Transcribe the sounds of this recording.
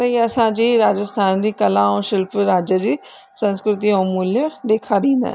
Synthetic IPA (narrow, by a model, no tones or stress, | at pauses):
ɐiəsãːd͡ʒiːɾaːd͡ʒəst̪ʰaːnd̪iːkəlãːõːʃɪlpɾaːd͡ʒəd͡ʒiːsə̃nskɾɪt̪iɦomuːljəd̪eːkʰaːd̪ĩːnd̪a̰